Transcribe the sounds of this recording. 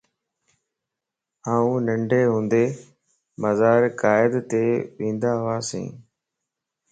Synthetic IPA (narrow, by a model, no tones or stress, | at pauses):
aːũːnəɳɖʱeːɦũːnd̪eː | məzaːɾkaːɪd̪t̪eːʋĩːnd̪aːɦʊʋaːsḛ̃ː